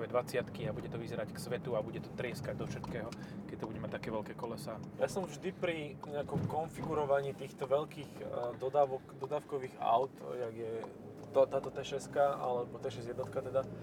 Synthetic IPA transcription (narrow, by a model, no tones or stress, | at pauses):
ʋɛd̪ʋat͡sɪat̪kiabuɟɛt̪ɔʋizɛɾacksʋɛt̪uabuɟɛt̪ɔt̪ɾɪɛskaɟ̚d̪ɔfʃɛt̪kɛːɦɔkɛc̚t̪ɔbuɟɛmac̚t̪akɛːʋɛʎkɛːkɔlɛsaːjasɔmvʒd̪ipɾiɲɛakɔmkɔnfiɡuɾɔʋaɲiːt̪iːxt̪ɔʋɛʎkiːɣd̪ɔd̪aːʋɔkd̪ɔd̪aːwkɔʋiːɣa̰ʊt̪jaɡjɛ | t̪ɔt̪aːt̪ɔt̪ɛʃɛst̪̚kaʔa̰lɛbɔt̪ɛʃɛzjɛd̪nɔt̪kat̪ɛd̪a